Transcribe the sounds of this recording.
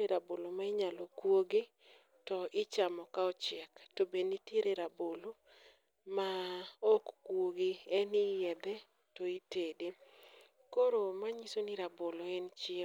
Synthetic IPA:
eɾabolomaɪɲalokwoɡi | tɔʔɪt͡ʃamɔkaɔt͡ʃɪɛktobenitjeɾʔeɾabolo | maɔkkwoɡiɛnijɛd̪ɛ | tɔitede | koɾomaɲisoniɾaboloɛnt͡ʃɪe

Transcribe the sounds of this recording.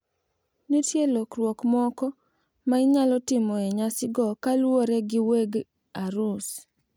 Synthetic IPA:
nitjelokɾwokmɔkɔ | maɪɲalɔtɪmɔɛɲasɪɡɔkalwoɾɛɡɪweɡ | aɾus

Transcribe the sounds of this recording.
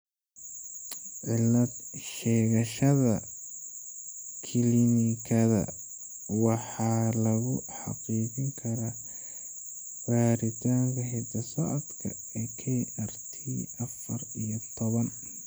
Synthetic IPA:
ʕɪlɐd̪ʃɛːɣɐʃɐðɐ | kʰɪlinɪkʰɐðɐ̰ | wɑħɑːlɐɣʊħɑ̰qiːt͡ʃɪŋkʰɐɾa | b̥aːɾɪt̪ʰaːŋkʰɐɦɛsɐsɐʔd̪kʰɐ̰ | ɛːkʰɛːʔɐrt̪ʰiːʔɐfɐrijɔt̪ʰɔβɐn

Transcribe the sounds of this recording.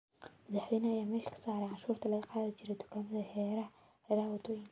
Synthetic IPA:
mɐðaħwɛjnɐɐjaːmɛːʃkʰɐ̥saːɾɛʕanʃuːrt̪ʰɐlɐɣɐqɑːðɐt͡ʃɪɾɛd̪ʊ̥kʰaːmɐðɐhɛːɾɐ | lɐɾaːwɐt̪ʰujin

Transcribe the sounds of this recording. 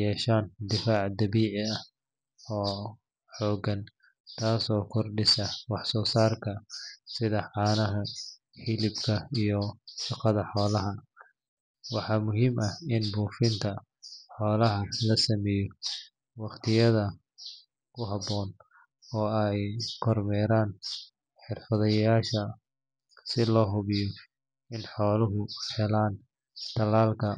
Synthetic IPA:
jɛːʃaːnd̪ɪfaːʕd̪ɐβiːʕɪɐh | ɔː | ħɔːɡɐn | t̪ʰaːsɔːkʰɔrɖɪsɐwɑħsɔːsaːrkʰɐsɪðɐħɑːnɐɦɐ | hilɪbkʰɐijɔʃɑqɑðɐħɔːlɐɦɐ | wɑħɑːmʊɦiːmʔɐɪnbuːfɪnt̪ʰɐ | ħɔːlɐɦɐlɐsɐmɛːjɔ | wɑqt̪ʰɪjɐðɐ | kʰʊɦɑbɔːn | ɔːɛjkʰɔrmɛːɾaːn | ħɪrfɐðɐjjaːʃɐ | sɪlɔːɦʊβɪjɔ | ɪnħɔːlʊɦʊhɛlaːn | t̪ʰɐlaːlkʰɐ

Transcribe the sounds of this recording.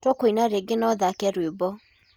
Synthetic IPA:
tɔkoinaɾeɡenɔðakɛɾwebɔ

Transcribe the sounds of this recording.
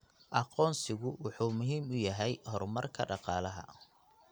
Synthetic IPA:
ʔɑqɔːnsɪɣʊwɑħuːmʊɦiːmʊjɐɦɛjhɔrmɐrkʰɐ̰ɖɑqɑːlɐɦɐ̰

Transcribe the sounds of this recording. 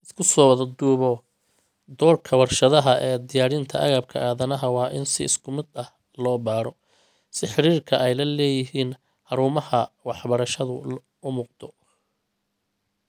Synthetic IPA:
ɪskʰʊsɔːwɐðɐd̪uːβɔ | d̪ɔːrkʰɐwɐrʃɐðɐɦɐʔɛːd̪ɪjaːɾɪnt̪ʰɐʔɐ̰ɣaːb̚kʰɐʔaːðɐnɐɦɐwɑːʔɪnsɪɪ̰skʰʊmɪd̪ɐh | lɔːbaːɾɔ | sɪħɪɾiːrkʰɐʔɛjlɐlɛːjɪɦiːn | ħɑɾuːmɐhɐwɑħbɐɾɐʃɐðʊ | ʊmuːq̚d̪ʰɔ

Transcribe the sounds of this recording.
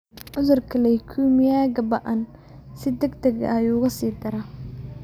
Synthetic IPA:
ʕʊðʊrkʰɐlɛjkʰuːmɪjaːɡɐbɐʔɐn | sɪd̪ɛɡd̪ɐɡɐ̰juːɣɐsiːd̪ɐɾa

